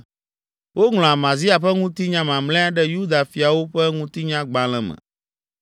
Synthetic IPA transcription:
wo˦ŋl̃ɔ̃˨a˨mã˨zi˦a˨ɸɛ˦ŋũ˦t̪i˦ɲã˦mã˨mlɛ̃˦a˦ɖɛ˦ju˦d̪a˨fi˨a˨wo˦ɸɛ˦ŋũ˦t̪i˦ɲã˦ɡ͡bã˨l̃ɛ̃˨mɛ̰̃˨

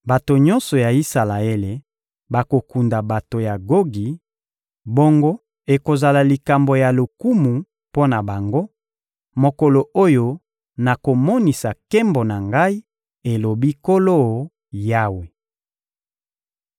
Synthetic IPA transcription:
ba˨to˨ɲɔ̃˦nsɔ˨ja˨i˦sa˨la˨e˦le˨ | ba˨ko˨ku˨nda˨ba˨to˨ja˨ɡo˦ɡi˨ | bo˦ŋɡo˦ | e˨ko˨za˨la˨li˨ka˨mbo˨ja˨lo˨ku˦mu˨ | po˦na˨ba˨ŋɡo˦ | mo˨ko˨lo˨o˦jo˨ | na˨ko˨mɔ˦ni˨sa˨kɛ˦mbo˨na˨ŋɡa˦i˦ | e˨lo˨bi˦ko˦lo˦˨ | ja˦we˨

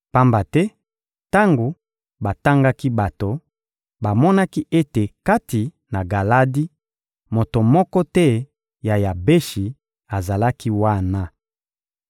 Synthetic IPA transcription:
pa˦mba˨tɛ˦ | ta˦ŋɡo˨ | ba˨ta˦ŋɡa˦ki˦ba˨to˨ | ba˨mɔ˦na˦ki˦ʔe˦te˨ka˦ti˨ | na˨ɡa˨la˦di˦ | mo˨to˨mɔ˦kɔ˦tɛ˦ | ja˨ja˨be˦ʃi˨ | a˨za˨la˦ki˦wa˦˨na˨

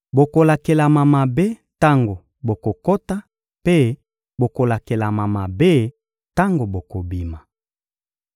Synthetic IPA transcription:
bo˨ko˨la˨ke˨la˨ma˨ma˨be˦ta˦ŋɡo˨ | bo˨ko˨ko˦ta˦ | pe˦ | bo˨ko˨la˨ke˨la˨ma˨ma˨be˦ | ta˦ŋɡo˨bo˨ko˨bi˨ma˨

